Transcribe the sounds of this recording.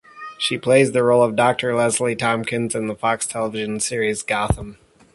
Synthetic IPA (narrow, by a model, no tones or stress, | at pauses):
ʃipʰl̥eɪzðɨɹoʊlˠʌvdɑk̚tʰə˞lɛzlitʰɑ̃mkʰɨ̃nzɨ̃nðəfɑkstʰɛlˠəvɪʒɨ̃n̩sɪɹizɡɑθə̃m